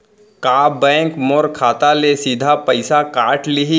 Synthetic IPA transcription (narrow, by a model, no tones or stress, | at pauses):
kaːbɛ̃ːŋkmoɾkʰaːt̪alesiːd̪ʱapɐɪsakaːʈlɪɦi